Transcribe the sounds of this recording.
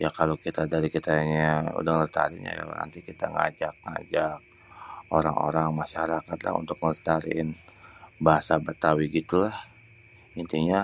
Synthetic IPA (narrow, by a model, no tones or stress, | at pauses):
jakalokit̪adaɾikit̪aɲaṵdaŋəst̪a̰ɾɪna̰ja̰na̰nt̪ikit̪aŋa̰d͡ʒak̚ŋa̰d͡ʒak̚ | oɾaŋo̰ɾaŋmaʃaɾakat̪la̰ɦṵnt̪ʊk̚məst̪aɾɪnbaɦasabat̪awiɡit̪ulah | int̪iɲa